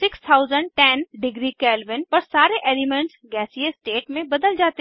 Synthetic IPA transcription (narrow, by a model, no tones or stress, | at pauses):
sɪkst̪ʰaːʊzə̃ɳɖ̚ʈɛnɖɪɡɾikɛːlʋɪnpɐɾsaːɾeʔeːlimɛ̃ɳʈsɡɛːsiesʈeːʈmẽbɐd̪əld͡ʒaːt̪e